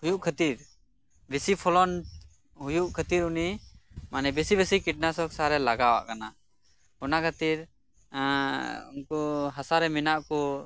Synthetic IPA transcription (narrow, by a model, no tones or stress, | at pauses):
hujuʔkʰət̪iɾ | bɛsipʰɔlɔn | ɦujuʔkʰət̪iɾunimanɛbɛsibɛsikiʈ̚nasɔksaɾɛlaɡawa̰ʔkana | ɔnakʰət̪iɾ | ṵnkɔɦasaɾɛminaʔkɔ